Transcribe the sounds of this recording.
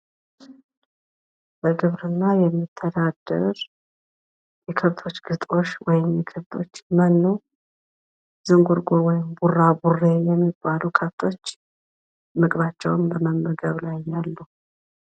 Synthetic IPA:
b̥əɡɨβɾɨnːajɛmːit̪ʰːəd̪ad̪ə̰ɾ | jɛkʰɨβt̪ʰo̞t͡ʃːɡ̥ɨt̪ʼo̞ʃwɔjɪmjɛkʰəβt̪ʰo̞̰t͡ʃːmənːu | zɨŋɡuɾɡuɾwɔjɪmburːaburːejɛmːibːalukʰəft̪ʰo̞t͡ʃː | mɨkʼβat͡ʃːɛwnbəməmːəɡəβlajːalːu

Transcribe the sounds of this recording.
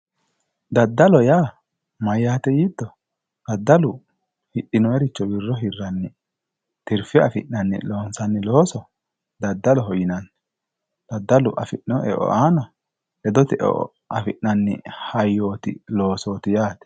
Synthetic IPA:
d̪ɐd̪ːɐlɔjaː | mɐjːaːt̪ɛjid̪ːɔ | d̪̥ɐd̪ːɐlʊ | hɪɗːɪnɔɛɾɪt͡ʃːɔbɪrːɔɦɪrːɐnːɪ | t̪ɪɾfɪɐfɪʔnɐnːɪ̰lo̞ːnsɐnːɪlo̞ːsɔ | d̪ɐd̪ːɐlɔɦɔjɪnɐnːɛ | d̪̥ɐd̪ːɐlʊʔɐ̰fɪʔɪnɔʔɛ̰ʔɔ̰ʔaːnɐ | ʔɛd̪ɔt̪ɪʔɛ̰ʔɔ̰ | ʔɐfɪʔɐnːɪ̰hɐjːoːt̪ɪ̰lo̞ːsoːt̪ɪjaːt̪ɛ̥

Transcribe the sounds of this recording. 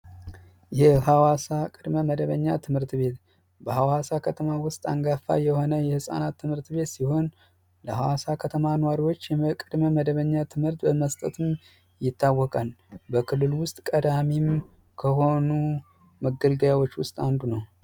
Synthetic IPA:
jɛhawasakʼɨd̪məməd̪əβəɲːat̪ʰɨmhɨɾt̪be̞t̪ | bəhawasakʰət̪ʰəmawʊst̪ʼa̰ŋɡafa̰jɛho̞nəjɛhɨsʼa̰nat̪ʰːɨmhɨɾt̪βe̞t̪siho̞n | ləhawasakʰət̪ʰəmanəwaɾiwo̞t͡ʃːjɛkʼɨd̪məməd̪əβəɲːat̪ʰɨmhɨɾt̪bəməst̪ʼə̰t̪ɨm | jɪt̪ʰːawːɔkʼalbəkʰɨlːɨlwʊst̪ʼkʼəd̪amim | kʰəɦo̞nu | məɡəlɡəjawot͡ʃːwʊst̪ʼand̪unəw

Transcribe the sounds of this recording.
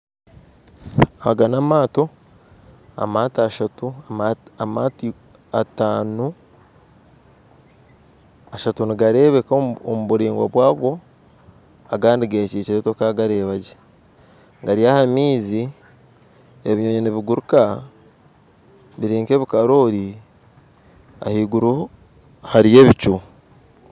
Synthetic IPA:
aɡanamaːto̞ | a̰maːtaʃatuaamati | a̰taːnu | aʃatuniɡaɾe̞ːβeko̰muβuɾiːŋɡwaβwaːɡo̞ | aɡaːndiɡeciːciɾetokaɡaɾe̞ːβaɟe | ŋɡaɾijahamiːzi | eβiɲoːɲeneβiɡuɾuka | βiɾiːŋke̞ːβikaɾo̞ɾi | a̰hiɡuɾu | haɾije̞ːβit͡ʃu

